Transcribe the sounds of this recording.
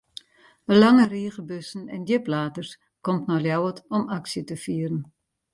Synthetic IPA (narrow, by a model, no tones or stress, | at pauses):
əlaŋəriːɣəbøsn̩ɛ̰ndjəplaːtərs | kɔmtnɔljawətɔmaksjətəfiːəɾən